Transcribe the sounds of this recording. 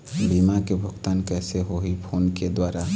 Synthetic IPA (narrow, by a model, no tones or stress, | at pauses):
bimakebʱʊɡt̪aːnkɛːseɦoɦipʰoːnked̪waːɾa